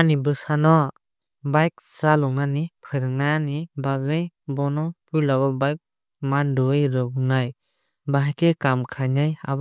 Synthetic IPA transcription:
anibɯsanɔ | bajk̚salɔŋnanipʰɯɾɯŋnanibazɯjbɔnɔpujlaɡɔbajk̚ | mandɔɯjɾɯɡnaj | baɦkekamkʰanaja̰b

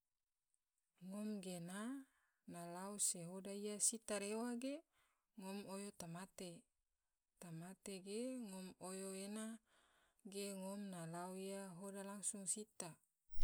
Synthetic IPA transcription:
ŋɔmɡena | nalauseɦodaijasit̪aɾewaɡe | ŋomojot̪amat̪e | t̪amat̪eɡeŋomojoena | ɡeŋomnalauijaɦodalaŋsuŋsit̪a

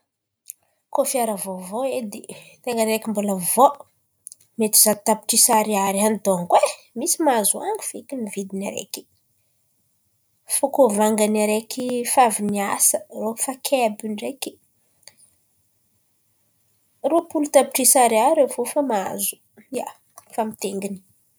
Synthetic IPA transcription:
kofiaɾəvovoed̪it̪eŋɡanɾekimboləvo | met̪i̥zad̪t̪api̥ʈ͡ʂisaɾiaɾianid̪oŋkwe | misimazuaŋɡi̥fikʲinivid̪inaɾḛki̥ | fokovaŋɡanaɾekʰifaviniasərofakʰebiɳɖ͡ʐeki̥ | ropulut̪api̥ʈ͡ʂisaɾaɾefofamazu̥ | ja̰ | famit̪eŋɡini̥

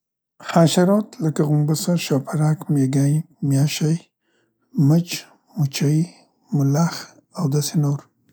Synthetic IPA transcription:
haʃaɾot̪lakaɣumbasaʃapʰaɾakmeɡa | mjaʃaj | mət͡ʃ | mut͡ʃai | mʊlax | awd̪asenoɾ

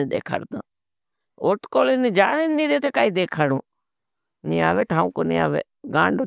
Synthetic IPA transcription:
ẽɗ̪ḛːkʰa̰ːɾd̪ã̰ː | oːʈkoːlɪnid͡ʒaːɽenːiːɾet̪ekaːiːd̪eːkʰaːɽũː | niaːʋeːʈʰaːũːkonḭa̰ːʋḛː | ɡãːɳɖo

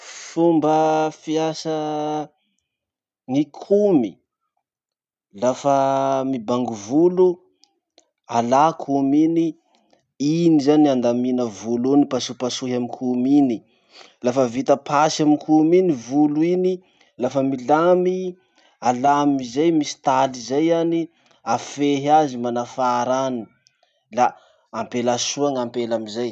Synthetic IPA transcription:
fumbəfiasə | ŋikʰumi | lafəmibaŋɡuvulu | alakʰumini | inizaniand̪aminəvulunipasupasuɦamikʰumini | lafəvit̪əpʰasaminkuminivuluini | lafəmilami | alamizajmisi̥t̪alizajani | afeɦazimanafaɾani | laː | mpelasuaŋampelamizaj

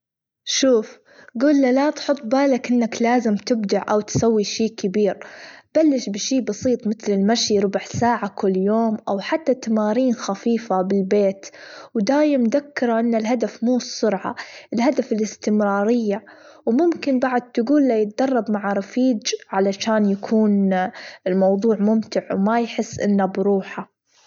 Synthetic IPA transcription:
ʃuːf | ɡuːlːalat̪ħʊt̪ˤːbaːlakʔɪnːaklaːzɪmt̪ɪb̚d̪aʕʔawt̪sawːiʃiːkɪbiːɾb̥alːɪʃbɪʃiːbɑsˤiːt̪ˤmɪt̪lɪlmaʃiɾˤʊbʕsaːʕakʊlːjoːmʔawħat̪ːat̪amaːɾiːnxafiːfabɪlbeːt̪wd̪aːjɪmd̪akːɪɾˤɑʔɪnːalɦad̪afmuːsʊɾʕa̰ʔɪlɦad̪afɪlɪst̪ɪmɾɑːɾɪjːa | wmʊmkɪnbaʕʊd̪̚t̪ɪɡuːlːajɪt̪̚d̪ɑrˤːɑbmaʕaɾˤɑfiːd͡ʒʕalaʃaːnjakʰuːnɪlmɑwðˤuːʕmʊmt̪ɪʕwmajħɪsːʔɪ̰nːabɾuːħa

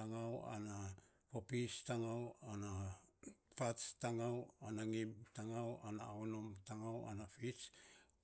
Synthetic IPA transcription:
aŋawa̰na | popistaŋawana | pat͡ʃtaŋawanaŋibtaŋawanaaono̞mtaŋawa̰nafit͡ʃ

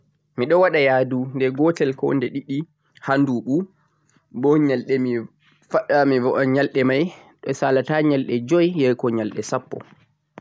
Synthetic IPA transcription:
miɗɔwaɗajaːdundɛɡɔtɛlkɔ̰ndɛɗiɗi | handuɓu | bɔɲalɗɛmi | faɗamivɔɔɲalɗɛmajɗɔsaːlataɲalɗɛd͡ʒɔjːɛjkɔɲalɗɛsapːɔ̰

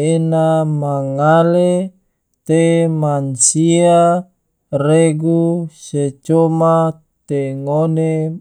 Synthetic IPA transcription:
enamaŋale | t̪emansia | reɡuset͡ʃoma | t̪eŋone

